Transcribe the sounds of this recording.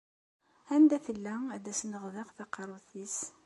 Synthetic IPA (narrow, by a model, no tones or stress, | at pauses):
hænd̪æfəlːæd̪æsnəʁðɑqθɑqɑɾˤuθis